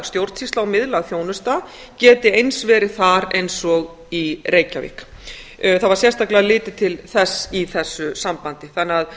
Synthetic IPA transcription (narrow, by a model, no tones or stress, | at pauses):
st̪jowɾt̪sist̪lawmɪðlaɣθjoːwnʏst̪a | cɛːt̪ɪejnsvɛːɾɪ̥θaɾejnsɔɣ | ireːjca̰vɪ̰hk | θaðvaɾ̥sjɛst̪aklɪalɪːt̪ɪt̪ʰɪlθɛsːiθɛsːʏsampant̪ɪθanːɪað